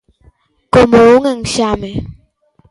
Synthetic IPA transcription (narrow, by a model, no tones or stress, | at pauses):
komoŋaŋɕame